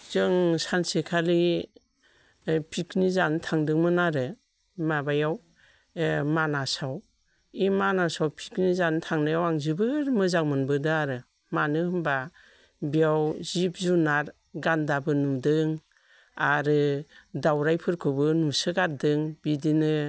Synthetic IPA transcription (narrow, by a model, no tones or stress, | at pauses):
zɯŋsansekʰali | pʰikʰnizanɯtʰaŋdɯŋmɯnaɾɯ | mabajaw | manasaw | imanasawpʰi̥knizanɯtʰaŋnajawaŋzibɯɾmɯzaŋmɯnbɯdɯaɾɯ | manɯhɯmba | biawzip̚zunaɾ | ɡandabɯnumdɯŋ | aɾɯdawɾajpʰɯɾkʰɯbɯnumsɯɡaɾdɯŋbidinɯ